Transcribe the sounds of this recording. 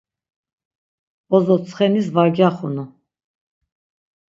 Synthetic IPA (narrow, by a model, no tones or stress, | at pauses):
ɔzɔt͡sʰχɛnis̬vaɾɡjaχunu